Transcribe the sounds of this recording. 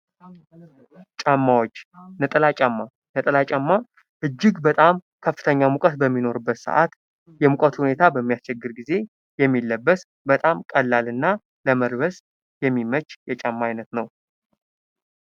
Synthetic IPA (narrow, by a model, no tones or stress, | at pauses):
t͡ʃʼamːawot͡ʃːnət̪ʼəlat͡ʃʼamːa | nət̪ʼəlat͡ʃʼamːa | hɨd͡ʒːɪɡbət̪ʼamkʰəfːɨt̪ʰəɲːamukʼət̪bəmːino̞ɾɨbːət̪sə̰ʔa̰t̪ | jɛmukʼət̪hune̞t̪ʰabəmːijast͡ʃɛɡːɨɾɡize̞ | jɛmːilːəbːəs | bət̪ʼamkʼəlːalɨnːa | ləməɾβəs | jɛmːimət͡ʃʼːjɛt͡ʃʼamːajnət̪nəw